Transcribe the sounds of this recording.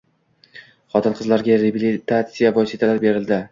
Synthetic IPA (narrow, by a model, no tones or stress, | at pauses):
χɒt̪ʰɪnqʰɨzlaɾɡʲaɾebilit̪ʰat̪sijabɒjset̪ʰalaɾbe̞ɾɪld̪ɪ